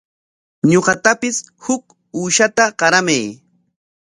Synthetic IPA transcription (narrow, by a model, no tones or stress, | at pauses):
ɲoɢɑt̪apɪshʊk | uːʃat̪aɢɑɾamaj